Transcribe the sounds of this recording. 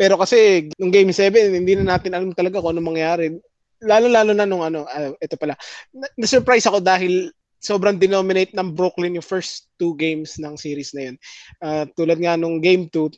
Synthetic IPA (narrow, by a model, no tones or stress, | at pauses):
pɛːɾo̞kɐsɛnʊŋɡejmsɛːvɛnhɪnd̪iːnɐnaːt̪ɪnʔɐlamt̪ɐlɐɡakonʊŋmːɐŋjaːɾɛ | laːlolaːlonɐnʊŋʔɐno̞ʔɐʔɛt̪o̞pɐlaɐnɐsɛɾpɾajsɐko̞d̪aːɦɪl | so̞ːbɾɐŋd̪ɛno̞ːmɪnejt̪̚nɐŋbɾoklɪnjʊŋfɛɹst̪ːuɡejmsnɐŋsiːɾɪsnɐjonʔaːt̪uːlɐd̪̚ŋanʊŋɡejmt̪u